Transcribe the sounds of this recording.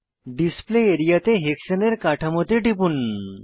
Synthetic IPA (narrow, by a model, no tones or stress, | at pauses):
ɖispleːɾijat̪eɦekɕəneɾkaʈʰamot̪eʈip̬uːn